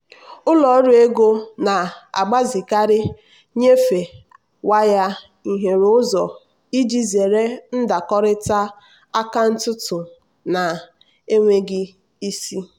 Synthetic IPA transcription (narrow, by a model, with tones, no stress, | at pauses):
ʊ˦lɔ˨˦ɾu˦e˦ɡo˦na˨a̰˨ɡ͡ba˦zi˨ka˦ɾɪ˦ | ɲe˦fe˨ | wa˦ja˦ | i˨ɦe˨ɾʊ˦zɔ˨ | i˦d͡ʒi˦ze˨ɾe˦n̩˦da˨kɔ˦ɾɪ˦ta˦ | a˦ka˦n̩˦tʊ˦tʊ˨ | na˨ | e˦ŋʷe˦ɡɪ˦ | i˦si˦